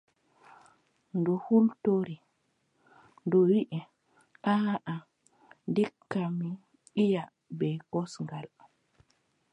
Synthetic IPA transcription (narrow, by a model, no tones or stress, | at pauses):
ndɔhultoɾi | ndɔwiʔɛ | ʔaʔa | ndikːami | ija | bɛkɔsŋɡal